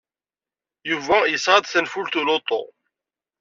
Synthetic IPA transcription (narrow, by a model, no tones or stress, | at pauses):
juvæjəsʁɑd̪θənfult̪ulot̪ˤo̰